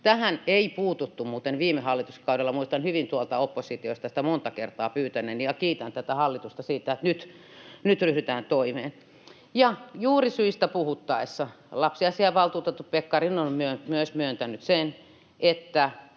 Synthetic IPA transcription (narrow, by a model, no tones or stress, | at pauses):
t̪æhæneipuːt̪ut̪ːummuːt̪enʋiːmˑehɑlːit̪uskɑudelːɑmuist̪ɑnhyʋint̪uɑlt̪ɑopːosit̪iost̪ɑsĭ̥t̪æmont̪ɑkert̪ɑːpyːt̪ænˑeːnijɑkiːt̪ænt̪æt̪æhɑlːit̪ust̪ɑsiːt̪ːˑæet̪nyt̪ | nyt̪ryhdyt̪æːnt̪oimeːn | jɑjuːrisyist̪æpuhut̪ːɑisːɑ | lɑpsiɑsiɑʋɑlt̪uːt̪et̪ːup̪̚pekːɑrinonmyømyøsmyønt̪ænyt̪sen | ʔet̪ːæ